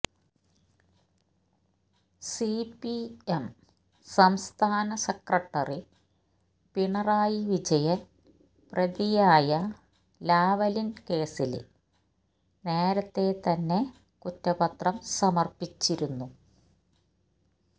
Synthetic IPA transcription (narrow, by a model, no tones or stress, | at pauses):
sipiem | sɐmst̪ʰaːnɐsɐkrɐʈːɐri | piɳɐraːjiʋid͡ʑɐjɐn | prɐðijaːjɐ | laːʋɐlinke̞ːsil̰ | ne̞ːɾɐt̪ːe̞t̪ɐnːe̞ | kutːɐbɐt̪rɐmsɐmɐrpit͡ɕːiɾunːu